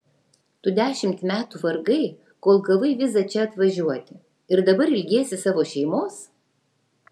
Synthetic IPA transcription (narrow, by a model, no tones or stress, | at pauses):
t̪ʊd̪ʲæːʃʲɪmʲt̪mʲæːt̪uʋɐɾɡɐɪ | koːlˠɡɐlˠɐɪʋʲɪzɐt͡ʃʲɛɐt̪ʋɐʒʲuɔt̪ʲɪ | ɪɾd̪ɐbɐɾɪlʲɡʲeːsʲɪsɑːʋoːʃʲɛɪmoːs